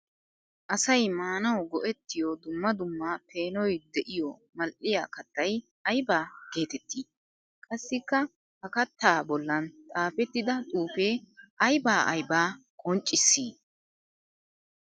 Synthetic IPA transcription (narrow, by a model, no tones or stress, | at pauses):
ʔɐsɐjmaːnɐwɡɔʔɛt̪ːɪjod̪ʊmːɐd̪ʊmːaːpʰe̞ːnɔjd̪ɛʔɪjomɐlʔɪja̰ːkɐt̪ːɐj | ɐjbaːɡe̞ːt̪ɛt̪ːiː | kʼɐsːɪkːɐ | hɐkɐt̪ːaːbɔlːɐnt̪ʼaːfɛt̪ːɪd̪ɐt̪ʼuːfeːʔɐjbaːʔɐ̰jbaːkʼɔnt͡ʃʼːɪsːiː